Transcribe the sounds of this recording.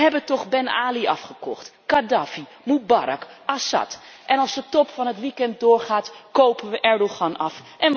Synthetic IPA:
əɦɛbəntɔχbɛna̰ːliʔɑ̰fχəkɔ̰χtkadaːfi | mubaɾɑ̰kʔasɑ̰tʔɛnɑlˠsdətɔpfɑnɦətʋikɛnt̚dʊːɹχaːtkowpənʋəʔɛɹdoχɑnɑfʔɛn

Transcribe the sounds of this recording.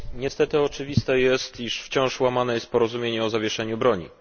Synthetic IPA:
ɲɛst̪ɛt̪ɘɔt͡ʂɘvʲist̪ɛjɛst̪iʂft͡ɕɔ̃w̃ʂwamanɛjɛst̪̚pɔɾɔzumʲjeɲɛɔzavʲjɛʂɛɲubɾɔɲḭ

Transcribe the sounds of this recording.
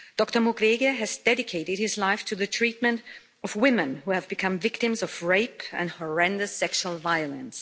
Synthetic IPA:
d̥ɔk̚tə˞mɔɡɹeɡɨɨzdɛɾɨkʰeɪɾɨd̚hɪzlaɪftʰɨðɨtʰɹ̥it̚mɨ̃nt | ʌvwɪ̃mɨ̃nhuɨvbɨkʰʌ̃mvɪktɨ̃mzʌvɹeɪpʰɨ̰̃nhə˞ɛ̃ndɨsɛkʃulˠvaɪəlˠə̃ns

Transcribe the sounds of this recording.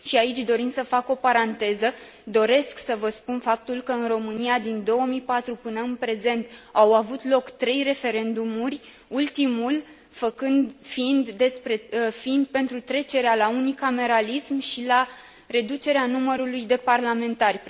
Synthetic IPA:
ʃiait͡ʃʲd̪o̞ɾinsəfako̞paɾant̪e̞zə | d̪o̞ɾe̞sksəvəspunfap̚t̪ulkəɨnro̞mɨniad̪ind̪o̞wəmijpat̪ɾupɨnəɨnpɾe̞ze̞nt̪awavut̪lo̞kt̪ɾe̞jre̞fe̞ɾe̞nd̪umurʲ | ult̪imul | fəkɨnd̪fiind̪ːe̞spɾe̞fiind̪̚pe̞nt̪ɾut̪ɾe̞t͡ʃe̞ɾealaunikame̞ɾalismʃila | ɾe̞d̪ut͡ʃe̞ɾeanuməɾulujd̪e̞parlame̞nt̪arʲ

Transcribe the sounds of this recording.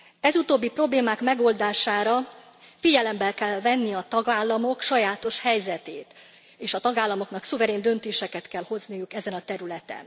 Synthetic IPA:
ɛzut̪oːbːipro̞bleːmaːkmɛɡo̞ld̪aːʃaːɾɒ | fiɟɛlɛmbɛlkɛlvɛnːiɒt̪ɒɡaːlːɒmo̞kʃɒjaːt̪o̞ʃhɛjzɛt̪eːt̪ | eːʃɒt̪ɒɡaːlːɒmo̞knɒksuvɛɾeːnd̪ø̞nt̪eːʃɛkɛt̪kɛlho̞znijukɛzɛnɒt̪ɛɾylɛt̪ɛ̰n

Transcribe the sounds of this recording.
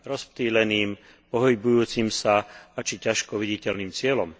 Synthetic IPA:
ɾɔsp̚t̪iːlɛniːm | pɔɦibujuːt͡simsaat͡ʃicaʃkɔʋiɟicɛlniːmt͡sɪɛlɔm

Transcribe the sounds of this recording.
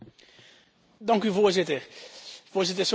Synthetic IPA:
dɑŋkyvoːɹzɪtəɹv̥oːɹzɪtəs

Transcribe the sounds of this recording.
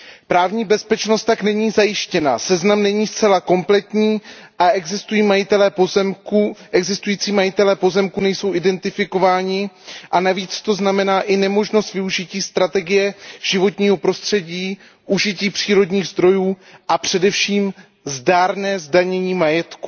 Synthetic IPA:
pɾaːvɲiːbɛspɛt͡ʃnost̪ːaknɛɲiːzajɪʃcɛna̰sɛznamnɛɲiːst͡sɛlako̞mplɛt̪ɲiːʔaʔɛɡzɪst̪ujiːmajɪt̪ɛlɛːpomuʔɛɡzɪst̪ujiːt͡siːmajɪt̪ɛlɛːpo̞zɛmkunɛjso̞wʔɪdɛnt̪ɪfɪko̞vaːɲɪʔanaviːt͡st̪o̞znamɛnaːʔɪnɛmo̞ʒnost̪vɪuʒɪciːst̪ɾat̪ɛɡɪjɛʒ̥ɪvo̞t̪ɲiːɦo̞pɾo̞st̪r̝̥ɛɟiː | ʔuʒɪciːpr̝̥iːɾo̞dɲiːɣzd̪ɾo̞juːʔapr̝̥ɛdɛfʃiːm | zdaːɾnɛːzdaɲɛɲiːmajɛt̪ku

